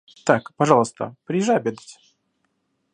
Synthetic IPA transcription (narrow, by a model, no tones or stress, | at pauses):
t̪akpɐʐɑlˠəst̪ə̰pɾʲɪjɪʐajɐbʲed̪ətʲ